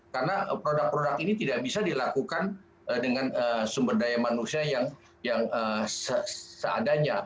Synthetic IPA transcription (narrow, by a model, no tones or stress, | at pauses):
karənapɾodak̚pɾodakinit̪idaʔbisadilakukan | ədəŋanəsumbərdajamanusiajaŋ | jaŋəsəsəa̰daɲa